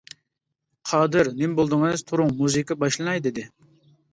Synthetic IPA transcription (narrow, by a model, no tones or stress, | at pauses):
qʰɑːd̪ɨɾnɪmbolˠd̪ɨŋnɨz̥t̪ʰuɾʊŋmuzɨkəbɑʃlˠɨnɑjd̪ɪd̪ɪ